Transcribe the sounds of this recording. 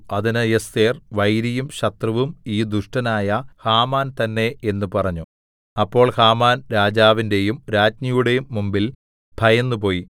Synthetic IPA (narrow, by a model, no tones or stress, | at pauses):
ɐðinɐjest̪eːrʋɐjɾijumɕɐt̪rɐʋumiːd̪uʂʈɐnaːjɐhaːmaːnt̪ɐnːe̞enːupɐrɐɲːu | ɐpːo̞ːɭhaːmaːnɾaːd͡ʑaːʋinde̞jumɾaːd͡ʑmɐjuɽe̞jumːumbil | bʱɐjɐnːupo̞ːji